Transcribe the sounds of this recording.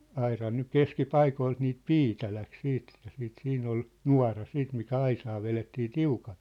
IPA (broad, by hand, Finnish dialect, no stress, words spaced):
ɑirɑn nyk keskipɑikoilt niːt piːtæ læk siːt e̥tːæ̥ siːt siːnˑ ol nuɑ̝rɑ siːt mikæ ɑisɑː ʋeletːiː tiukɑl̥